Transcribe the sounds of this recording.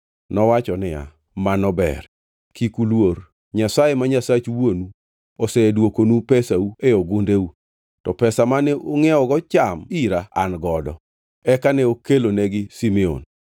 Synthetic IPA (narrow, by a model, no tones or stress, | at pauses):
nɔwat͡ʃɔnɪja̰ | manɔbɛ̰r | kikulwoɾ | ɲasajemaɲasat͡ʃwonu | ɔsɛdwokonupɛsaueoɡʊndeu | tɔpɛsamanɛʔoŋɛɔɡɔt͡ʃamiɾaa̰nɡɔdɔ̰ | ɛkanɛokelonɛɡɪsimɛo̰n